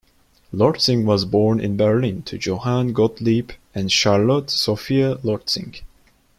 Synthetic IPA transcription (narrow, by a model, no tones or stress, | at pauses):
lɔɹtsɪ̃ŋwʌzbɔɹnɪ̰̃nbɛɹlĩntʰɨd͡ʒoʊhãnɡɔtlipɨ̃nʃɑɹlɔtsofiəlɔɹtsɪ̰̃ŋ